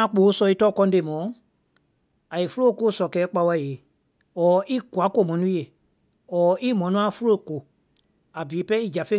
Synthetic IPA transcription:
ã˦˧k͡poː˨˦sɔ˧˨i˦tɔ˦˨kɔ̃˧˦˧de˧˨mɔ̃˨˦ | a˨i˨fu˦o˦˨˧ko˦sɔ˨kɛː˨˦k͡pa˧wa˧˨je˨ | ɔː˨˦ʔi˦ku˨a˨˦ko˦˨mɔ̃˨nũ˦e˨ | ɔː˨i˦mɔ̃˨nũ˦ã˦fu˦lo˦˨ko˨ | a˨biː˨˦pɛ˦i˦d͡ʒa˨fẽ˦

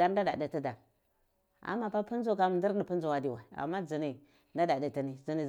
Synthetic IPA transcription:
a˦ɾn˦da˦da̰˨di˨ti˦da˨ɾ | a̰˨mːa˦pa˦pu˦n˦zo˦ka˦m˨ndi˦ɾdə˨pu˦n˦zo˨wa˨di˨wa˨a̰˨mːa˦d͡zi˨ni˨ | nda˦da˨di˨ti˨ni˨d͡zi˨ni˨

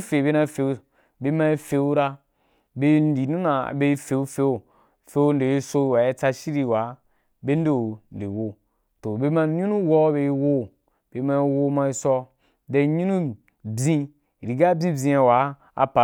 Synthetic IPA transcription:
fe˨be˦na˧˦fe˨u˦ | be˧˦ma˧i˦fe˧u˦ɾa˧ | be˦˧˦n˦di˨nũ˦na̰˨be˦˧i˦fe˨u˦fe˧o˨ | fe˦o˦n˦de˨i˦so˧˦˨wa˨i˦t͡sa˧ʃi˦ɾi˦˨wa˨˦ | be˦n̩˦de˦˨n̩˨de˨wo˦ | to˨be˧ma˧˦ɲũ˦nu˦wɔ˦be˧i˦wo˦ | b̥e˧˦ma˧i˦wo˧˦ma˧i˦sɔ˧ | de˧˦ɲũ˦nu˦ | bĩ˧˨ | ɾi˨ɡa˦bĩ˦bʲĩ˧a˧wa˨˦ | a̰˧pa˨

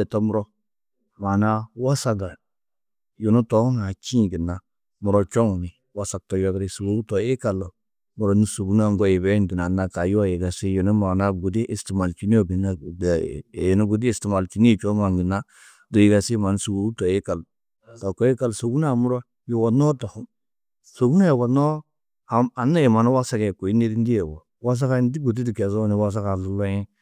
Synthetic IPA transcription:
ɛ˨to˦mu˦ɾɔ˦ | ma˨na˦wa˦sa˨ɡa˨ | jo˨nu˦to˦ŋa˨t͡ʃĩ˦˨ɡi˨na˦ | mu˨ɾo˦t͡ʃo˦ŋu˨ni˨ | wa˦sa˨k̚to˨jo˦ɡɾi˨su˨ɡu˨˦u˦to˨e˦ka˨lo˨ | mu˨ɾo˦ni˦su˨ɡu˦na˦˨ŋ˦ɡo˦je˨be˦ndu˨na˨na˦ka˨jo˦a˦je˨ɡa˨si˦jo˨nu˦ma˨na˦ɡu˨di˦ʔe˨sti˨ma˨lt͡ʃi˦ni˦o˦˨ɡi˨na˦˨nu˦ɡu˨di˦e˨sti˨ma˨lt͡ʃi˦nː˦˨t͡ʃo˦ma˨ŋɡi˨na˦ | do˨ji˨ɡa˨si˦ma˨n˦su˨ɡu˨u˦tɔ˨je˦ka˨l | ta˨kɔ˨˦ji˦ka˨lso˨ɡu˦na˦˨mu˦ɾo˦ | jo˨wa˨nɔ˦ta˨hu˦m | so˨ɡu˦na˦jɛ˨wa˨nɔ˦ | a˨a˨na˦je˨ma˨n˦wa˦sa˦kɛ˨ko˨i˦ne˦ɾi˦n˦di˦jɛ˨wo˨ | wa˦s̬a˦ka˦n˦di˦ɡu˨t̬i˦di˨kɛ˨zo˦ni˨wa˦s̬a˦ka˨zu˦lo˦jɛ˦

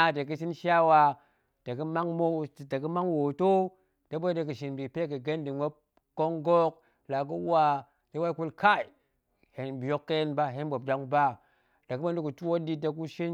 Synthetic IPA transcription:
de˨k̬i˦si˦nʃa˦wa˦ | da˨ki˦ma˦ŋmo˦˨da˨ki˦ma˦ŋwo˨to˦ | da˦bo˦de˨ki˨ʃi˨nbi˨pe˦ki˨ɡe˦ndi˨ŋo˦ | ko˦ŋɡo˦k̚ | la˨k̬u˦wa˦ | de˦wa˦i˦ku˦lka˦i˨ | he˨nbjo˦kːe˦jnba˦ɦe˦nbo˨b̚da˦ŋba˦ | da˨ku˦bo˦n˦di˦ku˨tu˦wo˦di˦da˨k̬u˦ʃi˦n

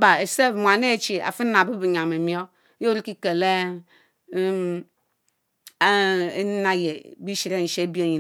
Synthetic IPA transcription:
ba˨e˨se˦˨vmʷ˨a˨ne˦˨t͡ʃi˨a̰˨fi˦na˨bu˦bi˨ɲa˨me˨mi˦o˦ | jo˦ɾi˦ki˦ke˨le˦ | na˨je˨bi˦ʃi˨ɾe˦n̩˨ʃe˦bi˦e˦˨ɲi˨

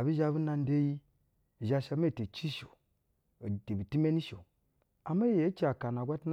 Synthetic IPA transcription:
a˨bi˦ʒa˦bu˦na˦n˦de˦ji˦˨ | ʒa˦ʃa˧˦me˦˨te˨t͡ʃi˦ʃo˨ | a˨te˨bi˨ti˦me˦ni˦ʃo˨ | a˨ma˦je˨a˦t͡ʃi˦a˨ka˨na˨ɡʷa˦tn˦

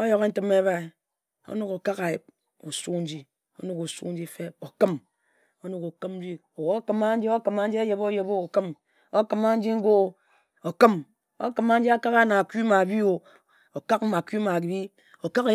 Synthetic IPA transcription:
o˦jo˨˦ke˦n̩˦tɨ˦me˦ba˦i˨ | o̰˦nu˨ko˨ka˦ka˨je˨b̚ | o˨su˦n̩˦d͡ʒi˦ | o̰˦nu˨ku˨sṵ˦n̩˦d͡ʒi˦fe˦o˨kɨ˦m | o˦nu˨ku˨kɨ˦m˦d͡ʒi˦o˨wo˨˦kɨ˨˦ma˦n̩˦d͡ʒi˦o˦kma˦n̩˦d͡ʒi˦a˦je˨bo˦je˨bo˦o˨kɨ˦m | o˦kɨ˨ma˦n̩˦d͡ʒi˦ŋ̩˦ɡo˦˨ | o˨kɨ˦m | o̰˦kɨ˨ma˦n̩˦d͡ʒi˦a˦ka˦ka˦na˨kʷu˦ma˨bi˦o˨ | o˨ka˦k̩̚˦ma˨ki˦ma˨ki˨bi˦ | o˨ka˦ka˨

